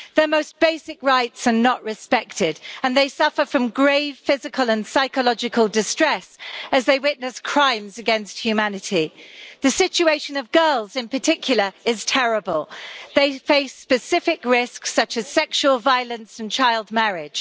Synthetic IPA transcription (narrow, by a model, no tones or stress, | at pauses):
ðə˞moʊsb̥eɪsɪkɹaɪtsə˞nəʔɹɨspɛk̚tɪdə̃nðeɪsʌfəfɹʌ̃mɡɹeɪv̥fɪzɨkʰəlˠə̃nsaɪkəlɒd͡ʒɨkʰəlˠdɪstɹ̥ɛsɨzðeɪwɪʔⁿnɨskʰɹ̥ãɪ̃mzɨɡɛ̃nst̚hjʉmænɨtʰiðɨsɪt͡ʃueɪʃɨ̃nʌvɡɜ˞lˠzɪ̃npətʰɪkʰjl̩ˠə˞ɪz̥tʰɛɹəbəlˠðeɪfeɪspɨsɪfɪkɹɪsksʌt͡ʃɨz̥sɛkʃuəlˠvaɪəlˠə̃nsn̩t͡ʃʰaɪlˠd̚mɛɹɪd̥ʒ̥